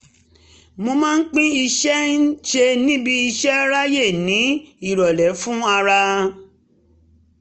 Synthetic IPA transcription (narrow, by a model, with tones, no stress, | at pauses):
mo˧mãː˦n̩˦k͡pĩ˦i˧ʃɛ˦n̩˦ʃe˧nĩ˦bi˧i˧ʃɛ˦ɾa˦je˦˨nĩ˨˦i˦˨ɾɔ˨lɛ˨˦fũ˦a˧ɾa˧